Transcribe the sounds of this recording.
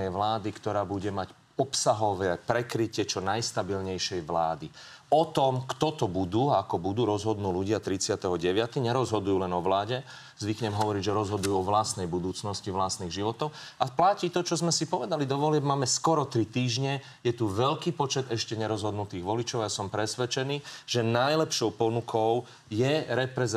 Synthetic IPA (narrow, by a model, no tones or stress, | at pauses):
ɛjʋlaːd̪ikt̪ɔɾaːbuɟɛmac | ɔpsaɦɔʋɛːpɾɛkɾicɪɛt͡ʃɔnajst̪abilɲɛjʃɛjʋlaːd̪i | ɔt̪ɔmkt̪ɔt̪ɔbud̪uːaakɔbud̪uːɾɔzɦɔd̪nuːluɟɪat̪ɾit͡sɪat̪ɛɦɔɟɛʋɪat̪iɲɛɾɔzɦɔd̪ujuːlɛnɔʋlaːɟɛ | zʋikɲɛmɦɔʋɔɾiɟʒɛɾɔzɦɔd̪ujuːɔʋlast̪nɛjbud̪uːt͡snɔsciʋlast̪niːɣʒiʋɔt̪ɔʊ | aplaciːt̪ɔt͡ʃɔzmɛsipɔʋɛd̪alid̪ɔʋɔlɪɛbmaːmɛskɔɾɔt̪ɾit̪iːʒɲɛ | jɛt̪uʋɛʎkiːpɔt͡ʃɛd̪ɛʃcɛɲɛɾɔzɦɔd̪nut̪iːɣʋɔlit͡ʃɔʊajasɔmpɾɛsʋɛt͡ʃɛniːʒ̥ɛnajlɛpʃɔʊpɔnukʰɔʊ | jɛɾɛpɾɛz